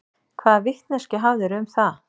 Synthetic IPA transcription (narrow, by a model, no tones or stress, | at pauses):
kʰvaːðvɪht̪nɛscɪɦawðɪɾʏmθa